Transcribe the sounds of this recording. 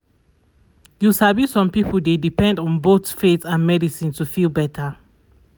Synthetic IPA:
jusabisɔ̃mpipʰəlˠdedipɛ̃ndɔ̃nbotfetãnmɛdisĩntufilˠbɛtʰə

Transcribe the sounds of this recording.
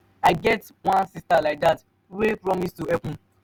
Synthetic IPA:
aɪɡɛt | wãnsistalaɪk̚dat | wepɾɔmistuɛpʊ̃n̩

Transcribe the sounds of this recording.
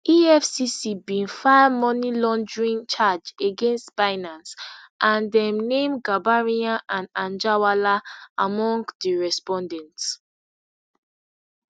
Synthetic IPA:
ʔiɛfsisibĩnfaɪmɔnilɔ̃nd͡ʒɹĩnt͡ʃad͡ʒeɡẽnstfaɪnãnsʔãndɛ̃mnẽmɡabaɹiãʔãnãnd͡ʒawalaamɔ̃ŋɡdiɹɛspɔ̃ndɛ̃nts

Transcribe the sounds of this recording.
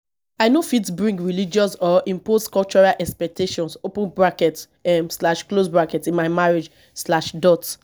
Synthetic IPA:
aɪnofitsbɹĩŋɡɹilid͡ʒɔsɔʔĩmposkɔlt͡ʃɔɹalʔɛkspɛk̚tʰeʃɔ̃nsopə̃nbɹakɛt | ɛmslaʃklosbɹakɛtĩnmaɪmaɹed͡ʒ | slaʃdɔt

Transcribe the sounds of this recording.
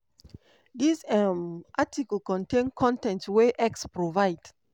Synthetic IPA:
disɛmʔatikəlkɔ̃ntẽnkʰɔ̃ntɛ̃ntweʔɛkspɹovaɪd̥

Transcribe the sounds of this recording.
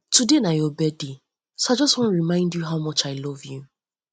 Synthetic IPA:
tudenajɔbɛdi | soad͡ʒɔstwɔ̃n̩ɹimãɪ̃ndjuɦawmɔt͡ʃaɪlɔvju

